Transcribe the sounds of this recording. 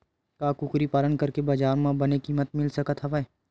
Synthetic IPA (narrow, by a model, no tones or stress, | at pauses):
kakʊkɾipaːlənkɐɾkebɐd͡ʒaːɾmãbɐnekimɐt̪̚mɪlsɐkət̪ɦɐʋə